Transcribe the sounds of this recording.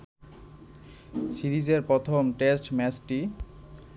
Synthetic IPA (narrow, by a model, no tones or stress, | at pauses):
siɾid͡ʑeɾpɾɔt̪ʰomʈesʈmɛsʈi